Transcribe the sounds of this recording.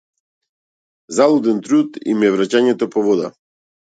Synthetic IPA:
zalˠɔd̪ɛnt̪ɾut̪ḭmɛvɾacaɲɛt̪ɔpɔvɔd̪a̰

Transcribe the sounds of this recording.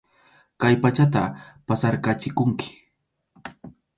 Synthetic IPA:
kajpat͡ʃat̪̬a̰pasaɾkat͡ʃɪkʊŋkɪ̥

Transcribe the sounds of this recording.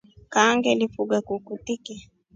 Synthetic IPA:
kaŋɡɛlifuɡakukutiki

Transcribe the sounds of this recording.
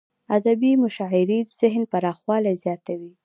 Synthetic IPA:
ad̪abimʊʃɑɪɾid̪z̥ɪɦnpaɾɑxwɑlazjɑt̪awi

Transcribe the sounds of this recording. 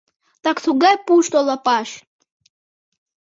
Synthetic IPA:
t̪aksuɡajpuʃt̪olˠapaʃ

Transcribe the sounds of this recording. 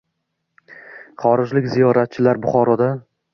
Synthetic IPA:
χɒɾɪd͡ʒlɪkʲzijɒɾat̪̚t͡ʃʰɪlaɾbʊχɒɾɒd̪a

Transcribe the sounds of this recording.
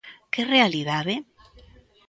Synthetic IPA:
kerealiðaðe

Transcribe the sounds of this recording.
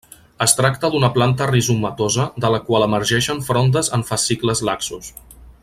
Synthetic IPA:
əst̪ɾak̚t̪əd̪unəplant̪ərizumːət̪ozəd̪ələkwalˠəməɾʒɛʃəɱfɾond̪əzəɱfəsikləzlaksus

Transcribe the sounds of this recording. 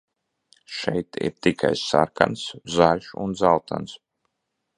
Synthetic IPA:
ʃɛjt̪ḭɾt̪ikʰajsa̰ɾka̰nszaɾʲʃṵnd̪zalˠt̪ʰans

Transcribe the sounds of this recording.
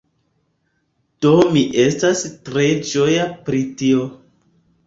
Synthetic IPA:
d̥omiʔe̞stastɾe̞d͡ʒo̞japɾitio

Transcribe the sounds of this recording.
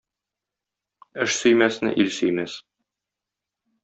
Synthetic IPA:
ɘʃsɵ̆jmæsnɘ̰ʔilsɵ̆jmæs

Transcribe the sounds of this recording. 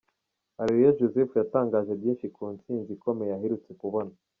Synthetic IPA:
aɾeɾijaʒuzefujataːŋɡaːʒe̞bjiːnʃikʰuːnt͡siːnziko̞me̞jaɦeɾut͡se̞kuβo̞na

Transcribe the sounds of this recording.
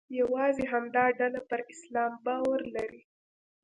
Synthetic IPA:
jawɑzeɦamd̪ɑɖalapəɾɪslɑmbɑwaɾlaɾi

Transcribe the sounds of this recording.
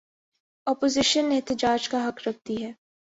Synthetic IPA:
ɔːpozɪʃənɛɦt̪ɪd͡ʒaːd͡ʒkaɦɐkɾɐk̚t̪iɦɛː

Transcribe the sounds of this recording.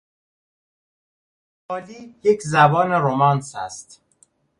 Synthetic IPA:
bɒːliːjecʰzæbɒːneɾomɒːnsæ̰st̪

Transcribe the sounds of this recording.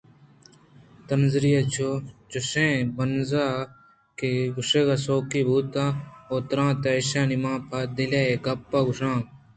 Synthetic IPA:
t̪ənzɾijat͡ʃʰot͡ʃʊsẽːbənzaː | keɡʊʂeːɡaːsoːkiːbuːt̪ãːoːt̪ɾãːt̪eːeʃãːnimãːpʰaːd̪ɪlaːeːɡɐpːaːɡʊʂãː

